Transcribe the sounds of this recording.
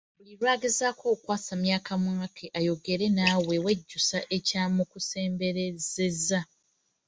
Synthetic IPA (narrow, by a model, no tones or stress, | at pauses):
buliɾwaːɡezaːkʰo̞ːkwaːsamjaːkʰamwŋakʰeʔajo̞ɡe̞ɾe̞nawe̞weɟːusaʔe̞caːmukuse̞ːmbe̞ɾe̞ze̞za